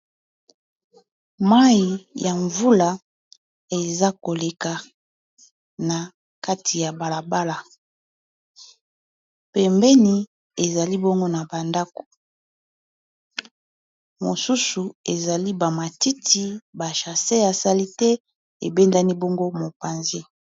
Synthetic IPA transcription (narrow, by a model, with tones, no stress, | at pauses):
ma˦i˨ja˨ɱvu˦la˨ | e˨za˦ko˨le˨ka˨ | na˨ | ka˦tʰi˨ja˨ba˨la˨ba˦la˨ | pɛ˨mbɛ˦ni˨ | e˨za˨li˦bɔ˦ŋɡo˦na˨ba˨nda˦ko̥˨ | mo̰˨su˦su˨e˨za˨li˦ba˨ma˨ti˦tʰi˨ba˨ʃa˨se˦a˨sa˦li˦tɛ˦ | e˨be˦nda˦ni˦bɔ˦ŋɡo˦mo˨pa˨nze˦